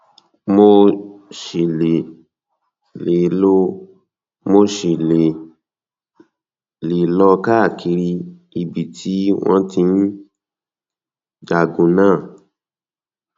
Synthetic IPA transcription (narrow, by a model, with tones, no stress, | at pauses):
mo˧ʃe˨le˨ | le˨˦lo˧ | mo˧ʃi˨le˨ | le˨lɔ˧ka˦˨kʰi˧ɾi˧ | i˧bi˨tʰi˨˦w̃ɔ̃˦tĩ˧n̩˦ | d͡ʒa˨ɡũ˨˦nãː˦˨